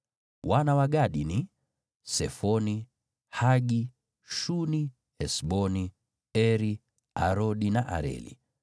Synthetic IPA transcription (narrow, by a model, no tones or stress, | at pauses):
wanawaɡaɗini | sɛfɔni | haɡi | ʃuni | hɛsɓɔni | ɛɾi | a̰ɾɔɗinaʔa̰ɾɛ̰lḭ